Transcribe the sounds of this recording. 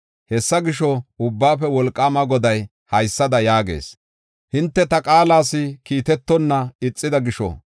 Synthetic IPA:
hɛsːɐɡɪʃɔʊbːaːfɛwɔlkʼːaːmɐɡɔd̪ɐj | hɐjsːɐd̪ɐjaːɡe̞̰ːs | hɪnt̪ːɛt̪ɐkʼaːlaːsɪkiːt̪ɛt̪ːɔnːɐɪt͡sʼːɪd̪ɐɡɪʃɔ̰

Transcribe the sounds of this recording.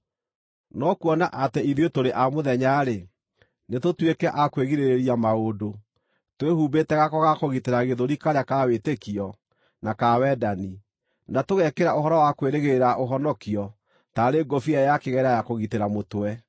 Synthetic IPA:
nɔkuɔnaʔatɛiðotoɾeʔamoðɛɲaɾe | netotwekɛʔakweɣiɾeɾeɾiamaodo | twehuːbetɛɣakɔɣakoɣiteɾaɣeðoɾikaɾeakawetekiɔ | nakawɛdani | natoɣɛkeɾaoɦɔɾɔwakweɾeɣeeɾaʔoɦɔnɔkiɔ | taɾeɡofiajakeɣɛɾajakoɣiteɾamotwɛ

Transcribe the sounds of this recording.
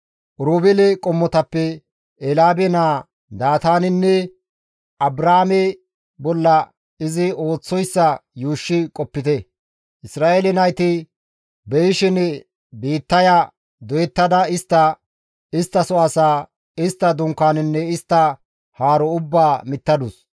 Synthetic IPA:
ʔʊɾuːbɪlɛkʼɔmːɔt̪ɐpːɛ | ɛlaːbɛnaː | d̪aːt̪aːnɪnːɛ | ʔɐbɾaːmɛ | bɔlːɐ | ɪzɪo̞ːt͡sːɔjsːɐjuːʃːɪkʼɔpːɪt̪ɛ | ʔɪsɾaːelɛnɐjt̪ɪ | bɛjʃɪn | biːt̪ːɐja | d̪ɔjɛt̪ːɐd̪ɐɪst̪ːɐ | ɪst̪ːɐsɔɐsaː | ɪst̪ːɐd̪ʊŋkːaːnɪnːɛɪst̪ːɐ | haːɾɔʊbːaːmɪt̪ːɐd̪ʊs

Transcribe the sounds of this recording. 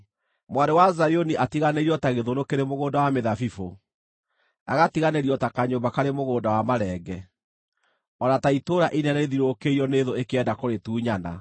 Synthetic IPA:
mwadewazajoniʔatiɣaneɾiɔtaɣeðonokeɾemoɣoːndawameðafifo | a̰ɣatiɣaneɾiɔtakaɲoːmbakaɾemoɣoːdawamaɾɛːɡɛ | ɔnataitoːɾaʔinɛneðiɾokeiɔneðoekeɛdakoɾetuːɲana̰

